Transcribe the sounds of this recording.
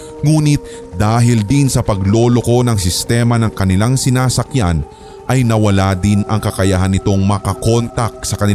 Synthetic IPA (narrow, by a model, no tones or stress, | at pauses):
ŋuːnɪt̪̚ | d̪aːɦɪld̪ɪnsɐpɐɡlo̞ːlo̞ko̞nɐŋs̬ɪst̪ɛːmɐnɐŋkɐnɪlaŋsɪnaːsɐkjan | ʔɐjnɐwɐlaːd̪ɪnɐŋkɐkɐjaɦanɪt̪o̞ŋmɐkɐko̞nt̪ɐk̚sɐkɐnɪ